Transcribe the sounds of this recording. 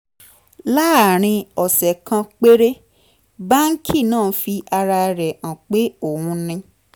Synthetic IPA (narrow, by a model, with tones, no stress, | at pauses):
la˦˨ɾ̃ĩ˧ɔ˨sɛ˨kã˧k͡pe˦ɾe˦ | ba˦ŋ̩˦kʰi˦˨nãː˦˨˦fi˧ʔa˧ɾa˧ɾɛ˨ʔã˨k͡pe˨˦o˦˨hũ˧nĩ˧